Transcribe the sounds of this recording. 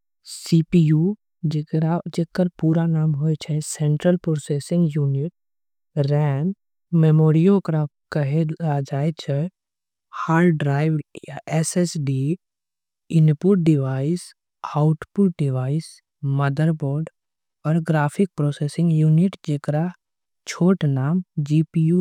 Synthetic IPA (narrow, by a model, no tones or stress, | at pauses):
sipiju | ɾad͡ʒeːkːəɾpuːɾanaːmɦojt͡ʃʰɛsɛ̃ɳʈɾəlpɾoːsesɪ̃ŋɡjuːnɪʈ̚ | ɾɛːn | memoːɾijõkɾa | kəɦead͡ʒaːet͡ʃʰɛ | haːlɖɾaːɪʋjaʔɛsɛsɖi | ɪnpʊʈ̚ɖɪʋaːɪs | aʊʈpʊʈ̚ɖɪʋaːɪs | məd̪əɾboːɾɖ | ɔːɾɡɾaːpʰɪk̚pɾoːseːsɪ̃ŋɡjuːnɪʈd͡ʒeːkɾa | t͡ʃʰoːʈnaːmd͡ʒiːpiu